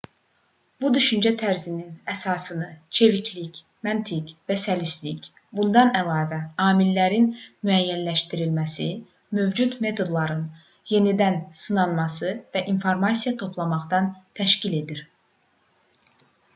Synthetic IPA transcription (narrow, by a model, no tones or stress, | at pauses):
b̥ud̪yʃynd͡ʒæt̪ʰæɾzininæsɑːsɯnɯt͡ʃʰe̞vicʰlic | mænt̪ʰicvæsælislic | bund̪ɑnælˠɑːvæɑːmilːæɾinmyæjːænlæʃt̪iɾilmæsi | mø̞vd͡ʒud̪me̞t̪ʰo̞d̪lˠɑɾɯn | je̞nid̪ænsɯnɑnmɑsɯvæʔinfoɾmɑsijɑt̪ʰo̞pʰlˠɑmɑχd̪ɑnt̪ʰæʃcile̞d̪iɾ